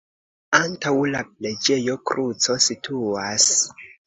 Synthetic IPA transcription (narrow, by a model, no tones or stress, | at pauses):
antawlap̚le̞d͡ʒe̞jo̞kɾut͡so̞sitʰuas